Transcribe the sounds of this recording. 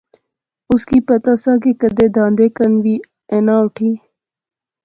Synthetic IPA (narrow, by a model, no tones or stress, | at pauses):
ʊskiːpɐt̪asãːk̬ekəd̪eːd̪ãːnd̪eːkənʋiː | eːnaːʊʈʰiː